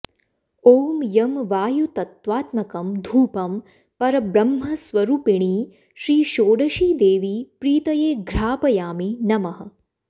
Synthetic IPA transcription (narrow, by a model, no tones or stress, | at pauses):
oːmjɐmʋaːjut̪ɐt̪ʋaːt̪mɐkɐmd̪ʱuːpɐm | pɐɾɐbɾɐmɦɐsʋɐɾuːpiɳ̃iː | ʃɾiːʃoːɽɐʃiːd̪eːʋipɾiːt̪ɐjeːɡɾaːpɐjaːminɐmɐɦɐ̆